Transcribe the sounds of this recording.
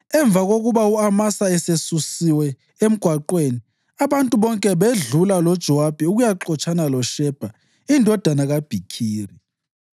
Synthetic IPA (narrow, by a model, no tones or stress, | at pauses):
ɛɱb̪vʱaɣoɣuβauamasaɛsesusiwɛ | em̩ɡ̥ʱwaǃweni | aβantʼuβɔŋkʼɛβeɮulalɔd̥ʒ̥ʱɔwab̥ʱiuɣujaǁɔt͡ʃʼanalɔʃɛb̥ʱa | indʱɔd̥ʱanaɣab̥ʱikʰiːri